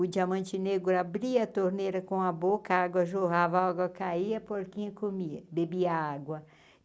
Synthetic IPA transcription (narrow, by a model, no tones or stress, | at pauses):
ʊd͡ʒiamɐ̃nt͡ʃɪneɡʊɾabɾiɐt̪oɾneɾɐkõɐbokɐaɡwɐʒoɣavɐaɡwɐkaiɐpoɾkĩɲɐkomiɐbebiɐaɡwɐ